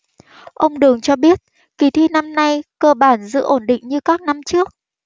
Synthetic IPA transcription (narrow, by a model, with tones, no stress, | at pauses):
ʔə˧wŋ͡mɗɨ˨˩əŋt͡ɕɔ˧ɓi˦˥ət̚ | ki˨˧˩t̪ʰi˧na˧mna˧jkəː˧ɓaː˧˩nzɨ̰˧˥ʔo˧˩nɗḭ˧˨ŋ̟ɲɨ˧kaː˦˥k̚na˧mt͡ɕɨ˦˥ək̚